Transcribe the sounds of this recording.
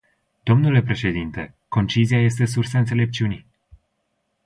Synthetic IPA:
d̪̥o̞mnule̞pɾe̞ʃe̞d̪int̪e̞ | ko̞nt͡ʃiziaje̞st̪e̞s̬ursaɨnt̪sele̞p̚t͡ʃiuni

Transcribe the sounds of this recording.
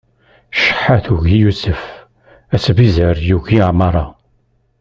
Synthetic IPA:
ʃə̥ħaθuʝjusəf | æsvizəɾjuʝiʕmɑɾˤɑ

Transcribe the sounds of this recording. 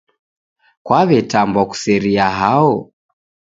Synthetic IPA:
kwaβɛtambɔku̥sɛɾiaɦaɔ

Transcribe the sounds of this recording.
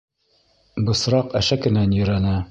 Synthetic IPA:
bɤ̆sɾɑqæʃækɘ̆nænjɵ̆ɾænæ

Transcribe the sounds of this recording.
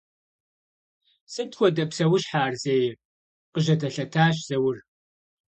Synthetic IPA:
sɨtʰwʷɔdɐpsɐwʊɕħaːrzeːj | qəʒɐdɐɬɐtʰaːɕ̬z̥ɐwʊr

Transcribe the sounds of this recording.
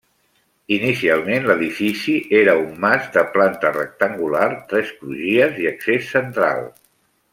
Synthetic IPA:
inisialˠmenləðifisiʔeɾəummazd̪əplant̪ərə̰k̚t̪əŋɡulart̪ɾɛspɾuʒiəziəksesːənt̪ɾa̰lˠ

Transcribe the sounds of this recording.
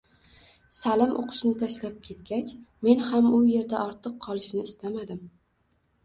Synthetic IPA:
salɪmʔo̰qʰʊ̥ʃnɪt̪ʰaʃlap̚kʲʰe̞t̪kʲat͡ʃme̞nhamʊje̞ɾd̪aʔɒɾt̪ʰɨqʰːɒlˠɪʃnɪːst̪ʰamad̪ɪm

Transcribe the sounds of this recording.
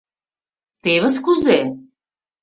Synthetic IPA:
t̪eβəskuze

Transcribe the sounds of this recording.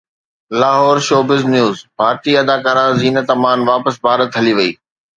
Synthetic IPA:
laːɦɔːɾʃoːbɪznjuːzbʱaːɾt̪iɐd̪aːkaːɾãziːnət̪ɐmaːnʋaːpəsbʱaːɾət̪ɦɐliʋɐiː

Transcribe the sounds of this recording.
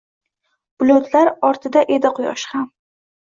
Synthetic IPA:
b̥lˠot̪ʰlaɾɒɾt̪ʰɪd̪aʔe̞d̪aqʰʊjɒ̰ʃχam

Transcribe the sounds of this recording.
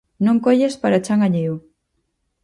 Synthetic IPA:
nõŋkoʎespaɾat͡ʃaŋɡaɲeju

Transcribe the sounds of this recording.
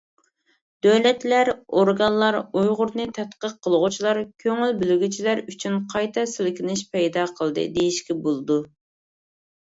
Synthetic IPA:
d̪̥øwlɛt̪læɾoɾɡɑnlˠɑɾujʁʊɾnɨt̪ʰɛt̪qəqʰːəlˠəʁʊt͡ʃʰilˠɑɾkʲʰøŋylbylyɡʲyt͡ʃʰilæɾyt͡ʃʰynqʰɑjt̪ʰɑsɪlkʲinɪʃpʰɛjd̪ɑqʰəlˠd̪ɨ̰d̪ejiʃkʲɛbolˠɨd̪u

